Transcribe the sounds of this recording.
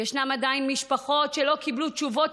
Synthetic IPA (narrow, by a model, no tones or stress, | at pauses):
eʃnamad̪ainmiʃpaχo̞tʃelo̞kiblutt͡ʃuvot